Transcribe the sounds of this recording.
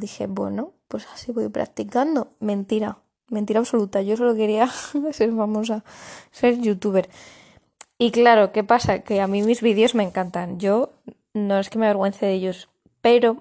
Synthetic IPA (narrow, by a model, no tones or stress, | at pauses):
d̪ixe̞̰bwe̞̰nopwe̞sḁsiβo̞jpɾa̰k̚t̪ikand̪o̞mẽ̞nt̪iɾa | me̞nt̪iɾaβso̞lut̪aʝo̞so̞lo̞ke̞ɾiase̞ɾfamo̞s̬ase̞ɾʝut̪uβ̞e̞ɾ | iklaɾo̞ke̞pasake̞amĩmizβiðeo̞zmẽ̞ŋkant̪anɟ͡ʝo̞ | no̞eske̞meaβ̞eɣwe̞nθeðeʎo̞s | pe̞ɾo̞